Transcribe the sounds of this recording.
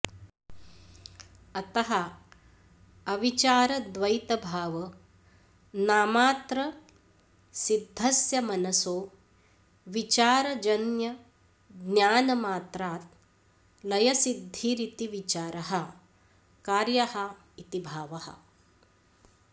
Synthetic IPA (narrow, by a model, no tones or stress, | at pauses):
ɐt̪ɐɦɐ | ɐʋit͡ʃaːɾɐd̪ʋɐjt̪ɐbʱaːʋɐ | naːmaːt̪ɾɐ | sid̪ʱːɐsjɐmɐnɐsoː | ʋit͡ʃaːɾɐd͡ʒɐnjɐ | ɡnjaːnɐmaːt̪ɾaːt̪̚ | lɐjɐsid̪ʱːiɾit̪iʋit͡ʃaːɾɐɦɐ | kaːɾjɐhɐ | it̪ibʱaːʋɐhɐ̰̆